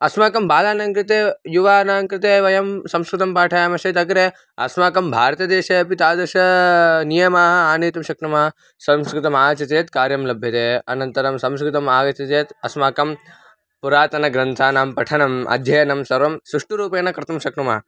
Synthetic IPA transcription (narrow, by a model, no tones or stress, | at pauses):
ɐsmaːkɐmbaːlaːnɐŋkɾɪt̪eːjuʋaːnaːŋkɾɪt̪eːʋɐjɐmsɐmskɾɪt̪ɐmpaːʈʰɐjaːmɐʃɐt̪ɐkɾeː | ɐ̰smaːkɐmbʱaːɾɐt̪ɐd̪eːʃeɐpit̪aːd̪ɐɾʃɐnijɐmaːɦɐaːneːt̪ɐmʃɐkʈɐmaː | sɐmskɾɪt̪ɐmaːɐt͡ʃɐt̪eːt̪kaːɾjɐmlɐbʱjɐt̪eːɐ̰nɐnt̪ɐɾɐmsɐ̃mskɾɪt̪ɐmaːɡɐt͡ʃɐt̪eːt̪ɐsmaːkɐm | puɾaːt̪ɐnɐɡɾɐnt̪ʰaːnaːmpɐʈʰɐnɐmʔɐ̰d̪ʱjɐjɐnɐmsɐɾʋɐmsɾuʂʈuɾuːpeːnɐkɾɐt̪ɐmʃɐknɐma̰ː